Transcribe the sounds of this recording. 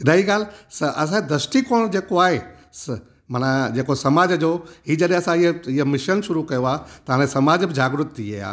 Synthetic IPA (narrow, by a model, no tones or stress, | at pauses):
ɾɐɦiɡaːlsɐʔɐs̬ãd̪ɾɐsʈikoːɽ̃d͡ʑeːkoaːɦe | s | m̤ɐnãd͡ʑeːkosɐmaːd͡ʑd͡ʑoɦiːd͡ʑɐɗẽɐsãɪɦɪɦəmɪʃənʃʊɾukɐjoaːt̪ɐãnesɐmaːd͡ʑbɪd͡ʑaːɡɾʊt̪ːia̰ja̰ː